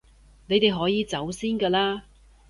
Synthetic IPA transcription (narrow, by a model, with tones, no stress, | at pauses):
ne˨˧jt̪e˨jɦɔː˨˥jiː˨˧t͡sɐ˨˥wsiː˥nkaː˧laː˥